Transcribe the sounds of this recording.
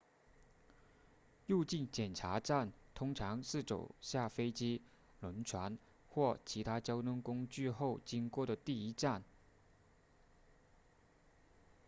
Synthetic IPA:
ju˥˧t͡ɕi˥˩nt͡ɕjɛ˨˩nʈ͡ʂʰa˧˥ʈ͡ʂa˥˩nt̪ʰʊ˥ŋʈ͡ʂʰɑ˧˥ŋʂɻ̩˥˩t͡so˨˩ʊɕja˥˩fe˥ɪt͡ɕi˥ | lə˧˥nʈ͡ʂʰwa˧˥n | xwɔ˥˩t͡ɕʰi˧˥t̪ʰa˥t͡ɕjɑ˥ʊt̪ʊ˥ŋkʊ˥ŋt͡ɕy˥˧xo˥˩ʊt͡ɕi˥ŋkwɔ˥˩d̪ə˩t̪i˥˩i˥ʈ͡ʂa˥˩n

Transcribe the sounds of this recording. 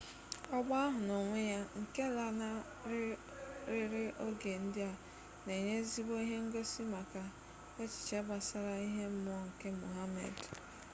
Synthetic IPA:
ɔ˦ɡ͡ba˦a˦ɦʊ˨no˨ŋʷe˦ja˦ŋ̩˨ke˦la˦na˦ | ɾ | ɾɪ˦ɾɪ˦ʔo˦ɡe˨n̩˦dɪ˦a˨ | ne˨ɲe˦zi˦bo˦i˦ɦe˦ŋ̩˦ɡo˦si˦ma˨ka˨ | e˦t͡ʃɪ̥˨t͡ʃe˦ba˨sa˦ɾa˨i˦ɦe˦m̩˦mɔ˦ŋ̩˨ke˦mu˨ɦa˦mḛ˨d

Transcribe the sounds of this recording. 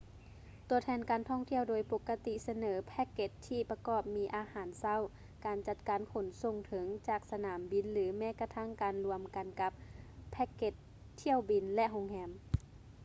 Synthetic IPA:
t̪u˧˩ət̪ʰɛː˧nkaː˨nt̪ʰɔː˧˥˩ŋt̪ʰi˥˩əwdoː˨˧jpo˧˦kːa˧t̪i˧sa˧nɤː˩˦pʰɛ˧˥kːe˧t̪ʰːiː˧˩pa˧kɔː˧˩p̚miː˧ʔaː˨˧haː˨˦nsa˧˥˨w | kaː˨nt͡ɕa˧˩t̪̚kaː˨nkʰo˨˦nso˧ŋt̪ʰɤ˨˦ŋt͡ɕaː˧˩k̚sa˧naː˨˩˦mbi˧˩nlɯː˩˦mɛː˧˥˨ka˧t̪ʰa˧˥˩ŋkaː˨nlu˧əmka˨nka˧˦p̚ʰːɛ˧˥kːe˧˦t̪ʰː | i˧˥˩əwbi˨nlɛ˧ʔɦo˧ŋhɛː˧m

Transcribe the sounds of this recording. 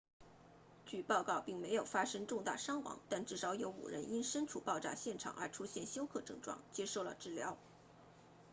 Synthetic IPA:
t͡ɕy˨˩pɑ˥˧ʊkɑ˥˧ʊpi˥˩ŋme˧˥ɪjo˨˩ʊfa˥ʂɤ˥ŋʈ͡ʂʊ˥˧ŋt̪a̰˥˩ʂɑ˥ŋwɑ̰˧˥ŋt̪a˥˧nʈ͡ʂɻ̩˥˩ʂɑ˧˥ʊjo˧˥ʊṵ˨˩ɻə̰˧˥ni˥nʂə˥nʈ͡ʂʰu˨˩pɑ˥˧ʊʈ͡ʂa̰˥˧ɕjɛ˥˩nʈ͡ʂʰɑ̰˨˩ŋʔə̰˞˧˥ʈ͡ʂʰu˥ɕjɛ˥˩nɕjo˥ʊkʰɤ˥˧ʈ͡ʂɤ˥˧ŋʈ͡ʂwɑ̰˥˩ŋt͡ɕjɛ˥ʂo˥˩ʊlə̰˨˩ʈ͡ʂɻ̩˥˩ljɑ˧˥ʊ

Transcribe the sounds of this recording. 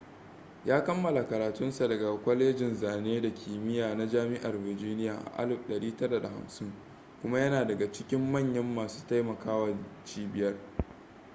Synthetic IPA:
jaː˦kɐ˦mːɐ˨la˨kɐ˨ɾaː˨tʊ˦nsa˨dɐ˨ɡa˨kʷɐ˦leː˦d͡ʒɪ˨nzaː˨neː˦da˨kʲʰiː˨mɪ˦jaː˨na˦d͡ʒaː˦mɪ˦ʔa˨rvɪ˨d͡ʒiː˦nɪ˦jaː˨ʔa̰˨ʔa̰˦lɪ˨bɗɐ˨ɽiː˦tɐ˦da˨da˨ha̰˨msɪ˦ŋ | kʷʊ˦ma˦jɐ˦naː˨dɐ˨ɡa˨t͡ʃɪ˦kʲɪ˦mːɐ˦˨ɲjɐ˦mːaː˨su̥ː˦ta˦jmɐ˨kaː˦wɐ˨t͡ʃiː˦bɪ˨jɐ˦r

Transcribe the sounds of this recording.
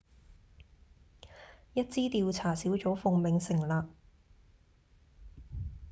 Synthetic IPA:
jɐ˥t̚t͡siː˥t̪iː˧wt͡sʰaː˨˩siː˨˥wt͡so˨˥wfʊ˧ŋmɪ˨˧ŋsɪ˨˩ŋlaː˨k̚

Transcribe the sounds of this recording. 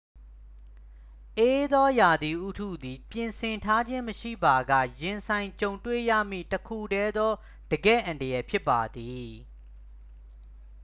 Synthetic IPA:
ʔe˦d̪ɔ˦ja˨d̪i˨ʔu˦tʰṵ˦˨d̪i˨pjɪ̃˨nsʰɪ̃˨ntʰa˦d͡ʑɪ̃˦məʃḭ˦˨ba˨ɡä̰˦˨jɪ̃˨nsʰã˨ɪ̃ɲt͡ɕõ˨ʊ̃ntwḛ˦˨jä̰˦˨m̥ḭ˦˨təkʰṵ˦˨dɛ˦d̪ɔ˦ | d̥əɡɛ̰˦˨ʔã˨ndə˨jɛ˨pʰjɪ˦pːa˨d̪i˨

